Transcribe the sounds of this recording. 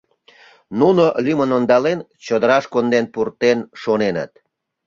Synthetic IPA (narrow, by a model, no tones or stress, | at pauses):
nunolymənond̪ɑlent͡ɕod̪əɾɑʃkond̪enpurt̪enʃonenə̰t̪̚